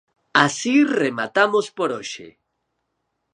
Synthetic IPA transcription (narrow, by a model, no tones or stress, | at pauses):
asiremat̪amospoɾoʃḛ